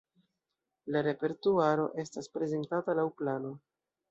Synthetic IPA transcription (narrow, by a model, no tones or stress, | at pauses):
laɾe̞pe̞ɾtuaɾo̞̰ʔe̞staspɾe̞ze̞ntatalawplano̞